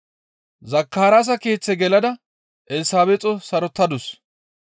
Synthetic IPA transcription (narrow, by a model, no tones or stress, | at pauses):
zɐkːaːɾas̬ɐke̞ːt͡sːɛɡɛlɐd̪ɐ | ʔɛlsaːbɛt͡sʼːɔsɐɾɔt̪ːɐd̪ʊs